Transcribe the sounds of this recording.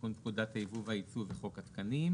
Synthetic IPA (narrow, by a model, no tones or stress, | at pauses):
untkudat̪haivuvait͡suveχo̞khat̪kanim